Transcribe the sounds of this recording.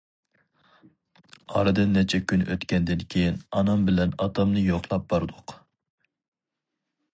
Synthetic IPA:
ɑ̰ɾɨd̪ɨnːɛt͡ʃʰɛkʲʰynʔø̰t̪kʲʰɛnd̪ɪnkʲʰejinɑnɑmbɪlɛnɑt̪ʰɑmnɨjoqlˠɑp̚b̥ɑɾɨd̪ʊq

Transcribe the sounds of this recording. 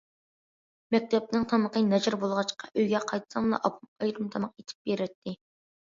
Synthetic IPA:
mɛk̚ʲt̪ʰɛp̚nɨŋt̪ʰɑməqənɛd͡ʒɪɾbolˠʁɑt͡ʃqɑʔøjɡʲɛqʰɑjt̪ʰɨ̥sɑmlˠɑ̰ʔɑpʰumɑjɾumt̪ʰɑmɑqet̪ʰɪ̥p̚beɾɛt̪ʰːɪ

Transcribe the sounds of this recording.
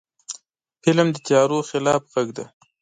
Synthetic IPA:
fɪlmd̪ət͡ʃɑɾoxɪlɑfɣaɡd̪a

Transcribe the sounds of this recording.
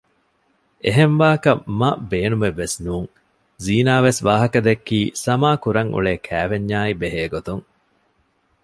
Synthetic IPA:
eɦenʋaːkɐmɐbeːnumeʋːesnuːŋ | ziːnaːʋesʋaːɦɐkɐd̪ekːiːsɐmaːkuɾɐŋṵɭeːkʰæːʋeɲːaːibeɦeːɡot̪uŋ

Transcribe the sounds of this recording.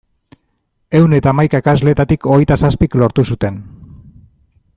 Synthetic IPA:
e̞wne̞t̪aːmajkaekazle̞t̪at̪iko̞ɣe̞jt̪asaspiklo̞ɾt̪usut̪e̞n

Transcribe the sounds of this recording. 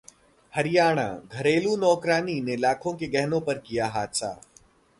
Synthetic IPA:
hɐɾɪjaːɽ̃a̰ɡʱɐɾeːlunɔːkɾaːninelaːkʰõkeɡɛɦnõpɐɾkijaɦaːt̪sa̰ː

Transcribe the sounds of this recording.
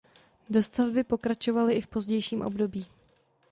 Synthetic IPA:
do̞st̪avbɪpo̞kɾat͡ʃo̞valɪʔɪfpo̞zɟɛjʃiːmʔo̞̰bdo̞biː

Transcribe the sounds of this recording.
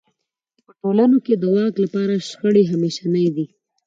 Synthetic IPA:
pəʈolanoked̪əwɑklapɑɾaʃxəɽiɦameʃanəjd̪i

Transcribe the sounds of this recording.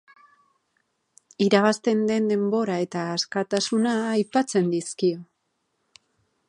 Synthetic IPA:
iɾaβast̪e̞nd̪e̞nd̪e̞mbo̞ɾae̞t̪aːskat̪asunaːjpat͡se̞nd̪iskio̞

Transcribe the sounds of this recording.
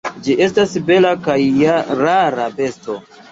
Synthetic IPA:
d͡ʒiʔe̞stasbe̞lakajaɾaɾabe̞sto̞

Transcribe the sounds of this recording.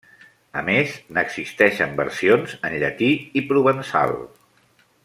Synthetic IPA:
əmeznəɡz̥ist̪ɛʃəmbəɾsionzənʎət̪iipɾuβənsa̰lˠ

